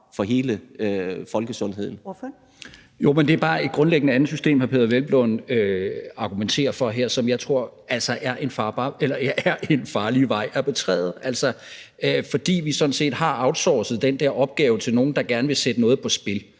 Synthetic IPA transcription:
fɒ̽ɦe̝ːlə | fɒ̽lɡ̥əsɔ̽nɦe̝ð̰ˠn̩ | jo̝̰mend̥e̝æɐb̥ɑ̈ːe̝d̥̚ɡ̥ʁɔ̽nleɡ̥ənəænð̩ˠsysd̥e̝̰ːmhæɐpʰe̝ðˠɐʋelb̥lɔnøɑ̈ɡ̥ument͡sʰe̝̰ːɐfɒ̽ɦeɐ̰sɒ̽mjɑ̈ɪt͡sʰʁo̝ɐ̰ | ælsɒʔæɐʔe̝nfɑ̈ːb̥ɑ̈ːelɐæɐʔe̝nfɑ̈ːliʋɑ̈ɪ̰æɐpʰe̽t͡sʰʁɛ̰ːð̞̩ˠʔæl̰sɒ | øfɒ̽d̥ḭːʋisɒ̽dn̩se̝̰ːd̥hɑ̈ɑ̈ʊd̥sɒ̰ːsð̩ˠd̥end̥æɐ̰ɒ̽b̥̚ɡ̥ɛːʊət͡sʰe̝lno̝ːn̩d̥ɑ̈ɡ̥æɐnəʋe̝sed̥ənɔ̽ːð̞̩ˠpʰɒ̽sb̥e̝l

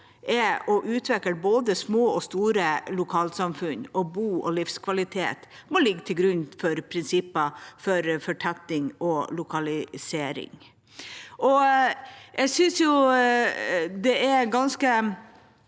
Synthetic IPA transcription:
ʔɛɔʔʉːt̪ʰʋɛkːəlboːd̪əsmoːɔst̪uːɾəlʊkʰɑːlsɑmfʉnɔbuːɔ̰lɪfskʰʋɑlɪt̪ʰḛːt̪mɔlɪɡːt̪ʰɪlɡɾʉnfɔɾpʰɾɪnsɪpːɑfɔɾfɔʈʰɛt̪ːɪŋɔlʊkʰɑlɪseːɾɪ̰ŋ | ʔɔ | ʔɛɡsʏnsjʊ | d̪ɛæɡɑnskə

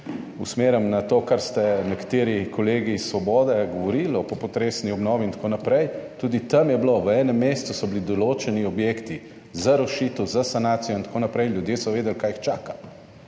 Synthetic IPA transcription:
usmeːɾəmnat̪oːkaɾst̪ɛnɛkḁt̪eːɾikʰɔleːɡiːsːʋɔbɔːd̪ɛɡɔʋɔɾilɔpɔpɔt̪ɾeːsniɔbnɔːʋiint̪koːnapɾɛjt̪uːd̪it̪ɐmjɛbloʋəɛːnɛmːeːst̪usɔblid̪ɔloːt͡ʃɛniɔbjeːkt̪i | zaɾɔʃit̪əwzasanaːt̪sijɔint̪koːnapɾɛjljud̪jeːsɔʋeːd̪ɛlkaːjixt͡ʃaːka

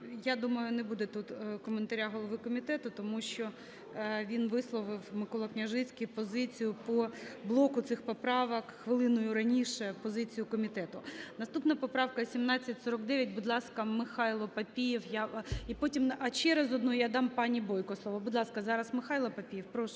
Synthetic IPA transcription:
jad̪umɐjʊnebud̪ɛt̪ut̪kɔment̪ɐɾʲaɦɔlˠɔʋɪkɔmʲit̪ɛt̪ʊt̪ɔmuʃt͡ʃɔ | ʋʲinʋɪslˠɔʋɪwmɪkɔlˠɔknʲɐʒɪt͡sʲkʲipɔzɪt͡sʲijʊpɔblˠɔkʊt̪sɪxpɔpɾɑʋɐkxʋɪlˠɪnʊjʊɾɐnʲiʃɛpɔzɪt͡sʲijʊkɔmʲit̪ɛt̪ʊnɐst̪upnɐpɔpɾɑwkɐsʲimnɑt͡sʲːɐtʲsɔɾɔkd̪ɛʋʲjɐtʲbʊd̪lˠɑskɐmɪxɑjlˠɔpɐpʲijiwjaipɔtʲimɐt͡ʃɛɾɛzɔd̪nujjad̪ɑmpɑnʲibɔjkɔslˠɔʋɐbʊd̪lˠɑskɐzɑɾɐsmɪxɑjlˠɐpɐpʲijɛwpɾɔʃ

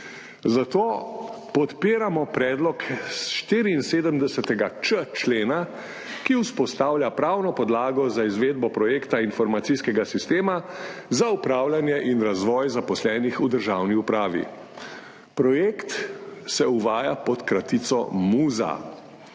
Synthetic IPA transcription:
zat̪oːpɔt̪piːɾamɔpɾɛːd̪lɔkʃt̪iːɾiːnseːd̪əmd̪ɛsɛt̪ɛɡat͡ʃət͡ʃleːna | kiwspɔst̪aːwlʲjapɾawnɔpɔd̪laːɡɔzaizʋeːd̪̚bɔpɾɔjeːkt̪ainfɔɾmat̪sijskɛɡasist̪eːmazaupɾaːwlʲanjɛʔinɾazʋɔːjzapɔslɛːnixud̪əɾʒawniupɾaːʋḭ | pɾɔjeːkt̪sɛuʋaːjapɔt̪kɾat̪it̪sɔ̰muːza̰

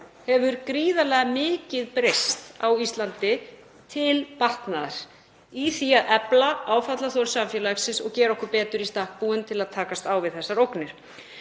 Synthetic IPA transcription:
hɛvʏɾkɾiːðalɛɣamɪːcɪðpɾejst̪awist̪lant̪ɪ | t̪ʰɪlpar̥t̪naða̰ɾ̥ | iθiaðʔɛplaaːwfat̪laθowɾsamfjɛlaksɪsɔɣcɛːɾɔhkʏɾpɛːt̪ʏɾist̪ahk̚puʏnt̪ʰɪlaðt̪ʰaːkast̪aːwvɪðθɛsːaɾowknɪɾ̥

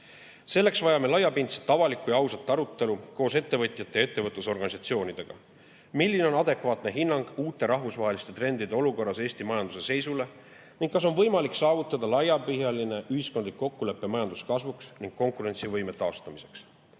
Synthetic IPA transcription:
se̞lːe̞ksvɑjɑme̞lɑjːɑpint̪se̥t̪ːˑɑvɑlikːˑujɑɑwsɑt̪ˑːɑɾut̪ːe̞luko̞ːse̞t̪ːe̞vɤt̪ˑjɑt̪ːee̞t̪ːe̞vɤt̪luso̞rɡ̥ɑnisɑt̪sio̞ːnʲid̪̥e̞ɡ̥ɑ̰ | milʲːine̞o̞nɑd̪e̞kvɑːt̪ne̞ɦinːɑŋɡ̥uːt̪ːˑe̞ɾɑɦvusvɑɦe̞list̪e̞t̪re̞nd̪̥id̪e̞o̞luko̞rːɑse̞ːsʲt̪imɑjɑnd̪use̞se̞jsule̞ | niŋɡ̚kːɑs̬o̞nvɤ̞jmɑliksɑːvut̪ːˑɑd̪̥ɑlɑjɑpɯɦjɑline̞ʔyhisko̞nd̪likːo̞kːule̞pːe̞mɑjɑnd̪uskɑsvuksniŋɡ̥kːo̞ŋkˑuɾe̞nʲt̪sivɤjme̞t̪ɑːst̪ɑmise̞̥ks

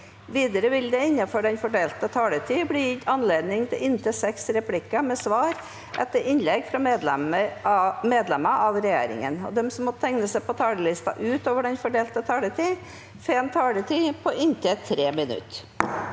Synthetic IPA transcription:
ʋiːd̪əɾəʋɪld̪ɛɪnːɑfɔɖɛnfɔɖeːlt̪ət̪ʰɑːlət̪ʰiːbɽiːjɪt̪ːɑnleːd̪nɪŋt̪ʰɪlɪnt̪ʰəsɛksɾɛpʰlɪkːɑmɛsʋɑːɾ | ʔɛt̪ːəɾʔɪnlɛɡfɾɑmɛəmeːd̪lɛmɑʔɑʋɾɛjḛːɾɪ̰ŋə̰nɔ̰d̪ɛmsɔmːɔt̪ʰɛŋnəsæɪpʰɔt̪ʰɑːləlɪst̪ɑ̰ʔʉːt̪oːʋəɖɛnfɔɖeːlt̪ət̪ʰɑːlət̪ʰiː | fɛmt̪ʰɑːlət̪ʰiːpʰɔʔɪnt̪ʰət̪ʰɾeːmɪnʉ̰t̪ː

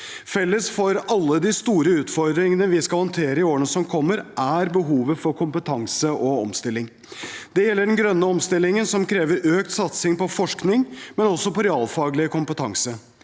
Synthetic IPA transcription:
fɛlːəsfɔɾɑlːəd̪ɪst̪uːɾəʉːt̪fɔɾd̪ɾɪŋənəʋɪskɑlhɔnt̪ʰeːɾəɪoːəɳəsɔmkʰɔmːəɾʔæɾbəɦuːʋəfɔɾkʰʊmpət̪ʰɑŋsəʔɔɔ̰mst̪ɪlːɪŋ | d̪ɛjɛlːəɖɛnɡɾœnːəɔmst̪ɪlːɪŋənsɔmkʰɾeːʋəɾøːkt̪sɑt̪sɪŋpɔfɔʂknɪŋmɛnɔsɔpɔɾɛɑːlfɑːɡlɪəkʰʊmpət̪ʰɑŋsə

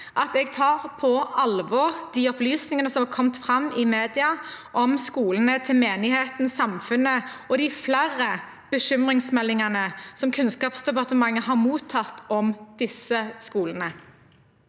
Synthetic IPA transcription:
ʔɑt̪ɛɡt̪ʰɑːʁpʰɔɑlʋɔʁd̪̥iːɔplyːsnɪŋənəsɔmɑkʰɔmt̪fʁɑmːɪmeːd̪ɪɑʔɔmskuːlənət̪ʰɪlmeːnɪheːt̪nsɑmfʉnəɔd̪ɪflæɾə | b̥əʃʏmʁɪŋsmɛlːɪŋɑnəsɔmkʰʉnskɑːpsd̪ɛpɑʁt̪əmɑŋːəɦɑʁmuːt̪ʰːɑt̪ːɔmd̪̥ɪsəskuːlənə

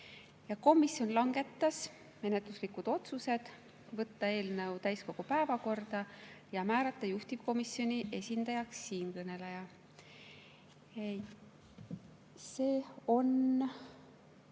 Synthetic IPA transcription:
jɑko̞misjo̞nlɑŋɡ̥e̞t̪ːɑs | me̞net̪luslikud̪̥o̞t̪suse̞d̪̥ | vɤt̪ːɑe̞ːlnɤwt̪æjsko̞ɡ̥upæevɑko̞rd̪̥ɑjɑmæːɾɑt̪ːˑɑjuht̪iv̥ko̞misjo̞nʲiʔe̞sʲind̪̥ɑjɑksːiːnkɤne̞lejɑ | se̞ːo̞n

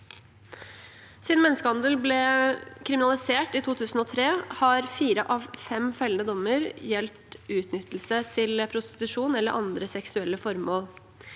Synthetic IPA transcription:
sɪnmɛnːəskəhɑnd̪əlblɛkʰɾɪmɪnɑlɪseːʈiːt̪ʰuːt̪ʰʉːsn̩oːt̪ʰɾeːhɑɾfiːɾəʔɑʋfɛmfɛlənəd̪ɔmːəɾjɛlt̪ʉːt̪nʏt̪l̩sət̪ʰɪlpʰɾʊst̪ɪ̥t̪ʉʂuːnɛlːəɾʔɑ̰nd̪ɾəsɛksʉɛlːəfɔɾmoːl

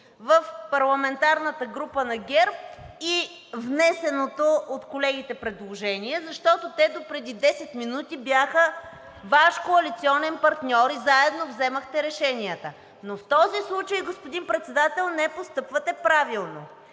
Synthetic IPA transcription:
vəfpɐɾlˠɐmɛnt̪aɾnət̪əɡɾupənɐɡʲɛɾpi | vnɛsɛnot̪oot̪kolɛɡ̟it̪ɛpɾɛd̪lˠoʒɛniɛzɐʃt̪ɔt̪ot̪ɛd̪opɾɛd̪id̪ɛsɛt̪minut̪ibʲjaxə | vaʃkoɐlit̪siɔnɛnpɐɾt̪nʲɔɾizaɛd̪novzɛməxt̪ɛɾɛʃɛniət̪ə | noft̪ɔzislˠut͡ʃəjɡospod̪inpɾɛt̪sɛd̪at̪ɛlˠnɛpost̪ɤpvət̪ɛpɾavilˠno

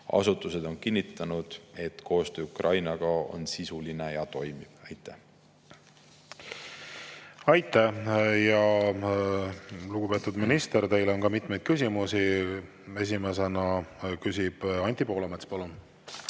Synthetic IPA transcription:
ɑ̰sut̪ːˑuse̞d̪̥o̞nkinʲːit̪ːˑɑnud̪̥e̞t̪kʰo̞ːst̪øːukrʔɑjnɑɡ̥ɑo̞̰nsisuline̞jɑt̪o̞jmib̥ɑjt̪ːˑæ | ɑjt̪ːˑæjɑ | luɡ̥upe̞ːt̪ːˑud̪minist̪e̞ɾt̪e̞jleo̞nkɑmit̪me̞jd̪̥̚kys̬ʲimusi | e̞s̬imese̞nɑkysʲib̥ɑnʲt̪ʲipo̞ːlɑmet̪spɑlun

